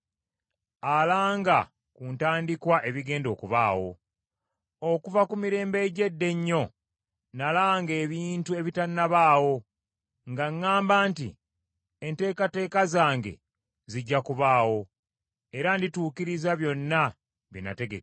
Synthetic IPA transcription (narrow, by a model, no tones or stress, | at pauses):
alaːŋɡa | kuːntaːndikwaʔe̞βiɡe̞ːndo̞ːkuβa̰ːwo̞̰ | okuvakumiɾe̞ːmbe̞ɟe̞dːe̞ɲːo̞ | nalaŋɡe̞ːβiːntue̞βitanːaβaːwo̞ | ŋɡaŋːaːmbaːntḭ | ente̞ːkate̞ːkazaːŋɡe̞̰ | ziɟːakuβaːwo̞ | e̞ɾandituːkiɾizaβjo̞nːa | βina̰te̞ɡḛk